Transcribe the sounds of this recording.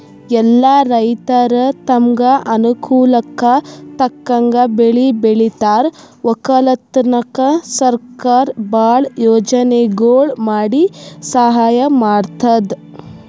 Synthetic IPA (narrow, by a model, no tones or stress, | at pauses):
ɛlːaɾɐjt̪ɐɾɐt̪ɐmɡɐʔɐnukuːlɐkɐt̪ɐkːɐŋɡɐbeɭibeɭit̪aːɾ | ʋɔkɐlɐt̪ːnɐkɐsɐɾkaːɾbaːɭjoːd͡ʒɐneɡoːɭmaːɽisɐɦaːjɐmaːɖt̪ɐd̪